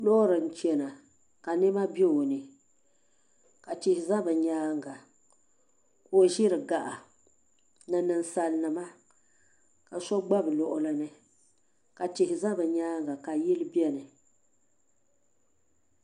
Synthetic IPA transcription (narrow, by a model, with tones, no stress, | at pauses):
lɔ˦ɾɨ˨n̩˨t͡ʃɛ˨na˨ | ka˨nɪ˦ma˦be˦o˨nɨ˨ | ka˨tɪ˨hɪ˨za˦bɨ˨ɲaː˦ŋɡa˨ | ko˦ʒɪ˦ɾɨ˨ɡa˨ʔa˨ | nɨ˨nɨ˨n˦sa˨lnɨ˨ma˦ | ka˨sɔ˦ɡ͡ba˦bɨ˨lɔ˨ʔʊ˦lɨ˦nɨ˦ | ka˨tɪ˨hɪ˨za˦bɨ˨ɲaː˦ŋɡa˨ka˨ji˦lɨ˦bɛ˦nɨ˨